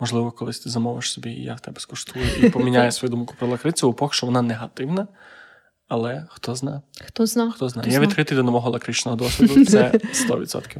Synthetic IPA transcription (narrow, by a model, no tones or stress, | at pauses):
mɔʒlˠɪʋɔkɔlˠɪsʲt̪ɪzɐmɔʋɪʃsɔbʲḭja̰wt̪ɛbɛ̥skɔʃt̪ujʊʔipɔmʲinʲajɛsʋɔjud̪umkʊ̥pɾɔlˠɐkɾɪt͡sʲupɔxʃt͡ʃɔʋɔnaneɦɐt̪ɪwnɐ | ɐlˠɛxt̪ɔznajxt̪ɔnat̪ɔznajjaʋʲid̪kɾɪt̪ɪjd̪ɔnɐmɔɦɔlˠɐkɾɪt͡ʃnɔɦɔd̪ɔsʲʋʲid̪ʊt̪sɛst̪ɔ̰ʋʲit̪sɔ̰t̪kʲɪw